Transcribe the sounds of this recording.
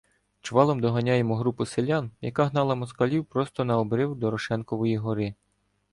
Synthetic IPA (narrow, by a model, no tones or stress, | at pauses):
t͡ʃʋɑlˠɔmd̪ɔɦɐnʲajemɔɦɾupʊselʲanjɐkaɦnɑlˠɐmɔskɐlʲiwpɾɔst̪ɔnɐɔbɾɪwd̪ɔɾɔʃɛnkɔʋɔjiɦɔɾɪ